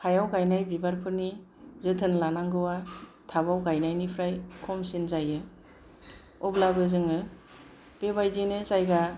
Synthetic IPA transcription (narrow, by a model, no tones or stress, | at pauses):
kʰajawɡajnajbibaɾpʰɯɾni | zɯtʰɯnlanaŋɡɯwa | tʰabawɡajnajnipʰɾajkʰɔmsinzajɯ | ɔblabɯzɯŋɯ | b̥ebajzinɯzajɡa